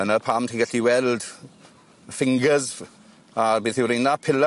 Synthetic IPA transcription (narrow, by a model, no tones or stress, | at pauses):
ənəpʰamtʰĩŋɡəɬiwɛld | fɪŋɡəz | abinθɪwɾinapʰɪl